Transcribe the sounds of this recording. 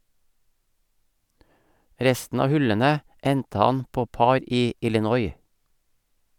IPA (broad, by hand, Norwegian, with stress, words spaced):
ˈɾɛstn̩ ˈɑː ˈhʉlənə ˈɛntə ˈɑn ˈpoː ˈpɑɾ ˈiː ɪlɪˈnɔʏ